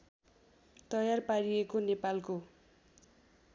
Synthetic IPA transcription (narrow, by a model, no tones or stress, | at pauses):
t̪ʌjarpaɽiekonepalko